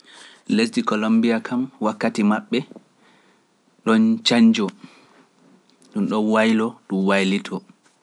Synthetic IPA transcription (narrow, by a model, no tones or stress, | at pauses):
les̬dikɔlombijakʰamwakːatimaɓːɛ | ɗɔnt͡ʃaɲd͡ʒɔ | ɗumɗɔnwajlɔɗumwajlitʰɔ